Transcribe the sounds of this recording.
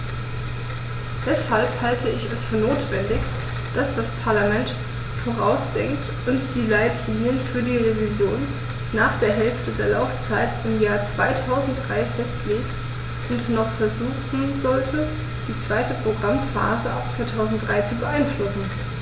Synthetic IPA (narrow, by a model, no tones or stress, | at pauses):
d̥ɛshalphaltəɪçɛsfyːɐnoːtv̥ɛndɪç | d̥asd̥aspʰaɐlamɛnt | foːʁ̞aʊsd̥ɛŋkt | ʔʊntd̥iːlaɪtliːnjənfyːɐdiːʁevizjoːnː | aːχd̥eːɐɦɛlftədeːɐlaʊft͡saɪtɪmjaːɐt͡sv̥aɪtʰaʊzn̩t̚d̥ʁaɪfɛstleːkt | ʔʊntnɔχfɛɐzuːxn̩zɔltʰə | d̥iːt͡sv̥aɪtəpʁ̥oɡʁamfa̰ːzəʔap̚t͡sv̥aɪtʰaʊzn̩t̚d̥ʁaɪt͡subəʔaɪnflʊsn̩